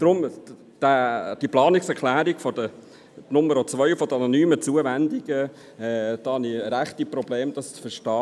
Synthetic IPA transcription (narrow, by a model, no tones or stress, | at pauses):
d̥̪ɾʊm | d̥æd̥iplɑːnɪksɛklæːɾiɡfɔd̥ə | nʊməɾɔt͡sʋœʏfɔd̪əɑnɔnyːmət͡suəvænd̪iɡə | ɛd̥̪ɑːhɑniɾæχt̪iprɔbleːmd̥̪ɑst͡sfəʃtɑː